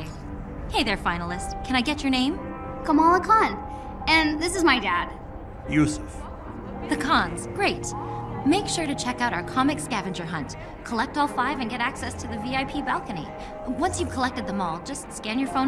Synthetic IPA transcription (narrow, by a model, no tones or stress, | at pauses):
heɪðə˞fãɪ̃nl̩ˠɪst̚kʰɨ̃ñaɪɡɛt͡ʃə˞nẽɪ̃mkʰʌ̃mɔlˠəkʰɑ̃n | ɨ̃nðɪsɨzmaɪdæd̥̚ | jʉsɨf | ðɨkʰɑ̃nz̥ɡ̥ɹeɪt̚meɪkʃʊɹɾɨt͡ʃʰɛkaʊɾaʊə˞kʰɑmɨkskævɨ̃nd͡ʒə˞ɦʌ̃nt | kʰəlɛk̚tɔlˠfaɪvɨ̃nɡɛɾæksɛstʰɨðɨviaɪpʰibælˠkɨnḭ | wʌ̃nsjɨv̥kʰəlɛk̚tɨd̪̚ðəmɔlˠd͡ʒʌstskæ̃njə˞fõʊ̃